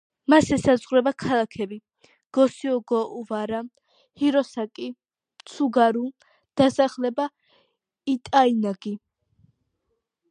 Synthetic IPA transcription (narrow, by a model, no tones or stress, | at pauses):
masɛsazʁɾɛbakʰalˠakʰɛbi | ɡ̥ɔsiɔɡɔʔuvaɾa | hiɾɔsakʼi | t̪sʰuɡaɾu | d̪̥asaχlɛba | it̪ʼainaɡi